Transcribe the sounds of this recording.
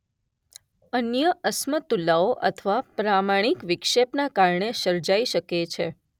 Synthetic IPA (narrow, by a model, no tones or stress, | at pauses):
ənjəʔəsmət̪ulaoʔə̰t̪ʰəʋapɾamaɽ̃ikʋɪkʃepnakaɾɳesəɾd͡ʒaiʃəket͡ʃʰe